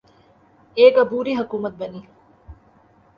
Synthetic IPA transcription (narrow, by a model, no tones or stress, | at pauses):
eːɡɐbuːɾiːɦɐkuːmɐt̪̚bɐniː